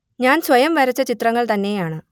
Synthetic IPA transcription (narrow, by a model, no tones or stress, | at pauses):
ɲaːnsʋɐjɐmʋɐɾɐt͡ɕːɐt͡ɕit̪rɐŋːɐɭt̪ɐnːe̞jaːɳɨ